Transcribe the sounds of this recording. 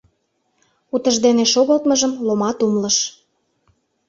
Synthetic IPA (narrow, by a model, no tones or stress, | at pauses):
ut̪əʒd̪eneʃoɣəlt̪mə̆ʒəmlomɑt̪umlə̆ʃ